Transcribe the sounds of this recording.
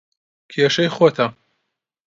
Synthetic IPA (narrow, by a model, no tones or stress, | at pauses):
kʰeːʃɐjxot̪ʰɐ